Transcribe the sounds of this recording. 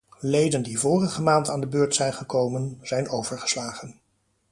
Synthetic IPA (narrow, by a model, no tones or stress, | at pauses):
lejdəndivʊːrəχəmaːntaːndəbøːɹtsɛjnχəkowmənz̥ɛjnowvəɹχə̥slaːχən